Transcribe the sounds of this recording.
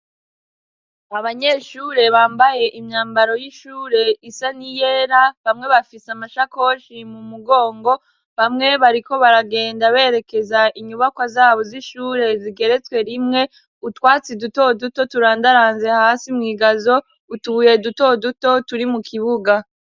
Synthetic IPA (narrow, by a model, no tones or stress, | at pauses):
aβaɲe̞ʃuːɾe̞βaːmbaje̞ʔimɲaːmbaɾo̞jiʃuːɾe̞isanijeːɾaβamŋe̞βafisamaʃako̞ʃimumuɡo̞ːŋɡo̞ | βamŋe̞βaɾiko̞βaɾaɡe̞ːndaβe̞ːɾe̞ke̞zaʔiɲuβakwazaːβo̞ziʃuːɾe̞ziɡe̞ɾe̞t͡skwe̞ɾimŋe̞ | utwaːt͡siduto̞duto̞tuɾaːndaɾaːnze̞haːsimŋiːɡazo̞ | utuβuje̞duto̞duto̞tuɾimukʰiβuɡa